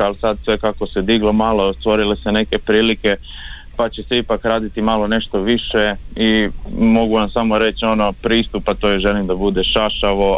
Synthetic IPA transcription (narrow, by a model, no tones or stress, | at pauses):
alsad̪sʋe̞kako̞sed̪iɡlomaːlost̪ʋo̞ɾilesene̞ke̞pɾiːlike̞ | pat͡ɕe̞seipakɾaːd̪it̪imalo̞ne̞ʃt̪o̞ʋiʃeimo̞ɡuʋamsamoɾe̞t͡ʃo̞no̞pɾiːst̪upːat̪o̞ːjeʒe̞limd̪abud̪e̞ʃaʃaʋo̞